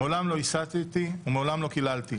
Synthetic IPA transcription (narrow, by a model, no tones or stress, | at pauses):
eolamlo̞isat̪et̪iumeolamlo̞kilalt̪i